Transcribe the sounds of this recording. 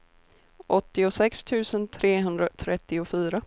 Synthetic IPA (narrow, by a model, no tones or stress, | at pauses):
ʔɔt̪ːɪʊsɛkst̪ʰʉ̟ːsənt̪ʰɾeːɦɵnd̪ɾat̪ʰɾɛt̪ːɪʊfyːɾa